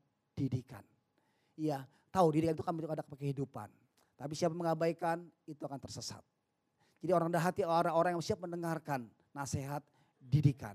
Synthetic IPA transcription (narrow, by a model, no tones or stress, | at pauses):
d̥idika̰n | ija | t̪audidikanit̪ukanmiukadak̚əpəkəhidupa̰n | t̪ap̬isiapaməŋabajkanit̪uakant̪ərsəsa̰t̪̚ | d͡ʒadioɾaŋdaɦat̪iɾaŋoɾaŋjamsiap̚məndəŋarkanː | aseɦat̪̚ | didika̰n